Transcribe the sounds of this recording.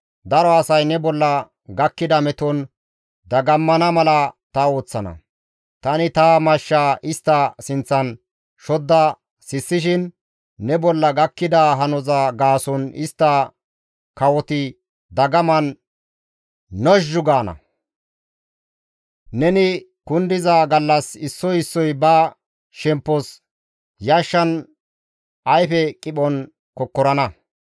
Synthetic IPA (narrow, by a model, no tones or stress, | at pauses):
d̪ɐɾɔɐsɐjnɛbɔlːɐ | ɡɐkːɪd̪ɐmɛt̪ɔn | d̪ɐɡɐmːɐnɐmɐlɐt̪ɐo̞ːt͡sːɐnɐ̰ | t̪ɐnɪt̪aːmɐʃːaːʔɪst̪ːɐsɪnt͡sːɐn | ʃɔd̪ːɐ | sɪsːɪʃ̬ɪnː | ɛbɔlːɐɡɐkːɪd̪ɐɦɐnɔzaɡaːsɔnɪst̪ːɐ | kɐwɔt̪ɪ | d̪ɐɡɐmɐn | ɔʒːʊɡaːnɐ̰ | nɛnɪ | kʊnd̪ɪzaːɡɐlːɐsɪsːɔjɪsːɔjbɐ | ʃɛmpːɔs | jɐʃːɐn | ʔɐjfɛkʼɪɓɔn | kɔkːɔɾɐnɐ